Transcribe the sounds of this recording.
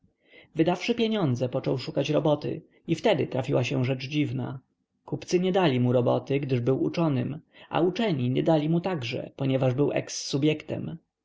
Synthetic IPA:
vɘd̪afʂɘpʲjeɲɔnd̪zɛpɔt͡ʂɔwʂukat͡ɕɾɔbɔt̪ɘ̰ | ift̪ɛd̪ɘt̪ɾafʲiwaɕɛʐɛt͡ʂd͡ʑivna̰ | kupt̪sɘɲɛd̪alʲimuɾɔbɔt̪ɘɡd̪ɘʐbɘwut͡ʂɔnɘ̰ma̰ut͡ʂɛɲiɲɛd̪alʲimut̪aɡʐɛ̰pɔɲɛvaʐbɘwʔɛ̰ksːubʲjɛkt̪ɛ̰m

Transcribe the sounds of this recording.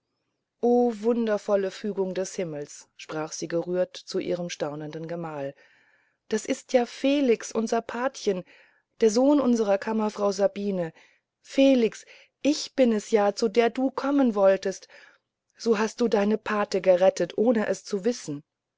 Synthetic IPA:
ʔoːvʊndɐfɔləfyːɡʊŋdɛshɪml̩sʃpʁ̥aːχz̥iːɡəʁyːɐtt͡suʔḭːʁ̞əmʃtaʊnəndənɡəmaːl | d̥asʔɪstʰjaːfeːlɪksʔʊnzɐpʰaɐtçən | d̥eːɐzoːnʔʊnzəʁɐkʰamɐfʁ̥aʊzabiːnə | feːlɪks | ʔɪçb̥ɪnɛsjaːt͡sudeːɐduːkʰɔmənvɔltəst | z̥oːɦast̚d̥uːdaɪnəpʰaɐtəɡəʁɛtətʔoːnəʔɛst͡suvɪsn̩

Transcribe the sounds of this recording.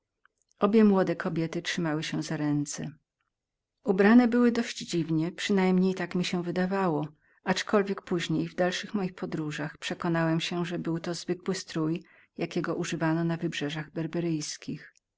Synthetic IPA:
ʔɔbʲjɛmwɔd̪ɛkʰɔbʲjɛt̪ɘtʂɘmawɘɕɛzaɾɛnt̪sɛ | ubɾanɛbɘwɘd̪ɔɕd͡ʑd͡ʑivɲɛpʂɘnajmɲejt̪akmʲiɕɛvɘd̪avawɔ | at͡ʂkɔlvʲjɛk̚puʑɲejvd̪alʂɘxmɔjixpɔd̪ɾuʐaxpʂɛkɔnawɛmɕɛʐɛbɘwt̪ɔzvɘkwɘst̪ɾuj | jakʲɛɡɔʔuʐɘvanɔnavɘbʐɛʐaɣbɛɾbɛɾɘjskʲix

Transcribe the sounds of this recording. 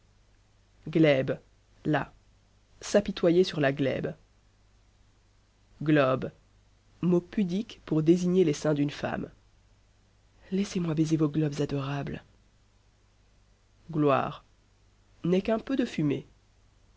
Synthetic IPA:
ɡlɛb | la̰ | sapit̪wajesyʁlaɡlɛ̰b | ɡlɔb | mopyd̪ikpuʁd̪eziɲelesɛ̃d̪ynfa̰m | lɛsemwabezevoɡlɔbzad̪ɔʁabl | ɡlwa̰ːʁ | nɛkɛ̃pød̪əfyme

